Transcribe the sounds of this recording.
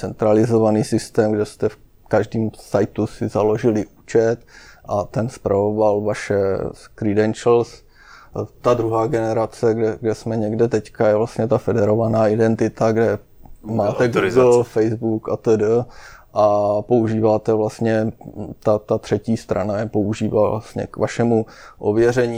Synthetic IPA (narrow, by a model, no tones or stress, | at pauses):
t͡sɛnt̪ɾalɪzovaniːsɪst̪ɛːmɡdɛst̪ɛf | kaʒdiːmsajt̪usɪzalo̞ʒɪlɪʔuːt͡ʃɛt̪ʔat̪ɛnspɾavovalvaʃɛskɾɪdɛnt͡ʃl̩s | t̪ad̪ɾuɦaːɡɛnɛɾat͡sɛɡdɛɡdɛsmɛɲɛɡdɛt̪ɛckajɛvlast̪ɲɛt̪afɛdɛɾo̞vanaːɪdɛnt̪ɪt̪aɡdɛ | maːt̪ɛɡufɛjzbukat̪ədəʔapo̞uʒiːvaːt̪ɛvlast̪ɲɛt̪at̪at̪r̝̥ɛciːst̪ɾa̰najɛpo̞uʒiːva̰a̰st̪ɲɛ̰kvaʃɛmu | ʔo̰vjɛrɛɲiː